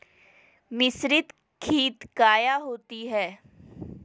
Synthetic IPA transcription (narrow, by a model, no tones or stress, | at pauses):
mɪsɾɪt̪ | kʰiːt̪kaːjaɦoːt̪iɦɛː